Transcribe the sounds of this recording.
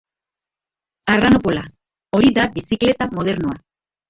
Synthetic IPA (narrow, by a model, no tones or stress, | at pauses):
aranopola | o̞ɾiðabisikle̞t̪amo̞ð̞e̞ɾnoa